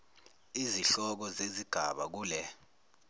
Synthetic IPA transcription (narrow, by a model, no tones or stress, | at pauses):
iziɬɔk̬ɔzeziɡ̥ʱa̰ɓak̬uːlɛ